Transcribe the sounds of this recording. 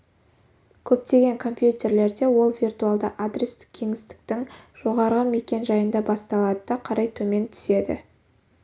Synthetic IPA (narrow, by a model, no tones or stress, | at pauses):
kʲʰɵp̚t̪e̞ɡʲe̞ŋkʰo̞mpjut̪ʲe̞ɾle̞ɾd̪e̞wo̞lˠvʲirt̪ualˠd̪əʔad̪ɾʲest̪ɪ̥kkʲʰe̞ŋɪst̪ɪ̥k̚t̪ɪŋʒ̥o̞ʁɑɾʁəme̞kʲe̞nʒɑjənd̪ɑbɑst̪ɑlˠɑd̪əd̪ɑqʰɑɾɑjt̪ʰɵme̞nt̪ʰʏ̥se̞d̪ɪ̰